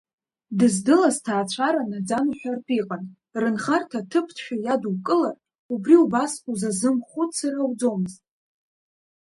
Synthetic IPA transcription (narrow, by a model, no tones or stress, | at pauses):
dɨzdɨlaztʰaːt͡ʃʷʰaɾanad͡zanħʷᶣarpʼiqʼan | rɨnχartʰatʰɨpʰtʰʃᶣajadwkʼɨlar | ubriubasuzazɨmχʷʊtʼsarawd͡zo̞mɨztʼ